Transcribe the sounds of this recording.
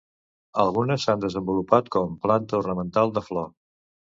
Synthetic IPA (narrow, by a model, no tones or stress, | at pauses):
əlˠɣunəsːand̪əzəmbulupat̪kɔmplant̪əurnəmənt̪alˠd̪əflɔ